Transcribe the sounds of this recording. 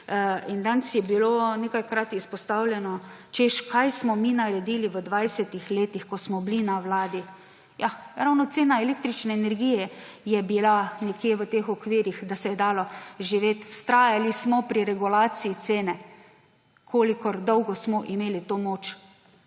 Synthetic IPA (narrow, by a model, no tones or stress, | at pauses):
ind̪ansjɛbilonekajkɾat̪ispɔst̪awlʲjɛnɔt͡ʃeʃkajsmɔminaɾɛd̪iliʋəd̪ʋajsɛt̪ixleːt̪ixkɔsmɔblinawlaːd̪i | jaɾawnɔt̪eːnaeleːk̚t̪ɾit͡ʃnɛːnɛɾɡijɛjɛbilanɛkjeːʋət̪eːxɔkʋiːɾjixd̪asɛjɛd̪aːlɔʒiʋeːt̪wst̪ɾaːjalismɔpɾiɾɛɡulaːsiit̪seːnɛ | kʰoːlikɔɾd̪ɔwɡɔsmɔʔimeːlit̪omoːt͡ʃ